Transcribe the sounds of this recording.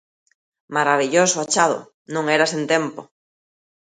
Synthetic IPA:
maɾaβiʎosʊat͡ʃaðʊ̰ | nõŋɛɾasent̪empo

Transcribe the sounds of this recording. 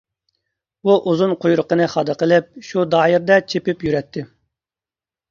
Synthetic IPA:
buʔuzunqʰojɾʊqənɨχɑd̪ɨqəlˠɪp̚ʃud̪ɑːjiɾd̪ɛt͡ʃʰepɪpjyɾɛt̪ʰːɪ

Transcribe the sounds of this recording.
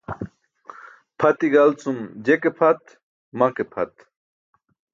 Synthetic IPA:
pʰɐt̪iɡɐlt͡sumd͡ʑekepʰɐt̪ | mɐkepʰɐt̪

